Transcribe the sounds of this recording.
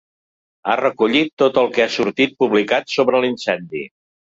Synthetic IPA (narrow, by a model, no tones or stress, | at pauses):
a̰rəkuʎit̪ːot̪əlˠkɛasuɾt̪it̪̚puβlikat̪soβɾəlinsɛnd̪i